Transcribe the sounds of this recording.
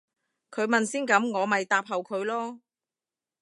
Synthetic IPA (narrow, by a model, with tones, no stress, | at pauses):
kʰɵ˨˧ɥmɐ˨nsiː˥nkɐ˨˥mŋɔː˨˧mɐ˨jt̪aː˨˧p̚ɦɐ˨wkʰɵ˨˧˥ɥlɔː˥